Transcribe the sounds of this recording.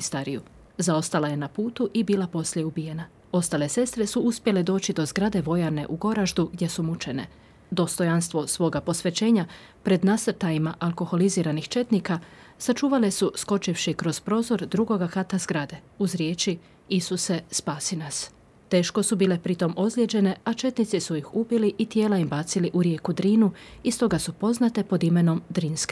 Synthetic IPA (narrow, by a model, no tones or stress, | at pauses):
st̪aɾiju | zao̞st̪alaje̞napuːt̪uʔibiːlapo̞slje̞ubije̞na | o̞st̪ale̞se̞st̪ɾe̞suuspje̞le̞d̪o̞ːt͡ɕid̪o̞zɡɾad̪e̞ʋo̞jane̞̰ʔuɡo̞ɾaʒd̪uɡd̪je̞sumut͡ʃe̞ne̞̰ | d̪o̞st̪o̞janst̪ʋo̞sʋo̞ːɡapo̞sʋe̞t͡ʃe̞ːɲa | pɾe̞d̪nasɾt̪ajimaʔalˠko̞xo̞liziːɾanixt͡ʃe̞t̪nikasat͡ʃuːʋalesusko̞t͡ʃiʋʃikɾo̞z̥pɾo̞ːzo̞ɾd̪ɾuɡo̞ɡaxat̪azɡɾad̪e̞ | uzɾjeːt͡ʃi | isuse̞spaːsinas | t̪e̞ːʃko̞subiːle̞pɾit̪o̞mo̞zlʲed͡ʑe̞ne̞at͡ʃe̞t̪nit̪sisujixubiliʔit̪jeːlaimbaːt̪siliʔuɾje̞kud̪ɾiːnuist̪o̞ɡasupo̞znat̪e̞po̞d̪ime̞no̞md̪ɾinske